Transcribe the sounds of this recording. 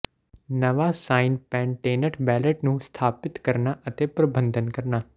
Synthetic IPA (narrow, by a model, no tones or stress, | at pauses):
nəʋaːsaːinpɛ̃ːɳʈeːnəɾʈbɛːləʈnũst̪ʰaːpɪt̪kəɾnaʔət̪eːpɾəbə̃nd̪ʱənkəɾnaː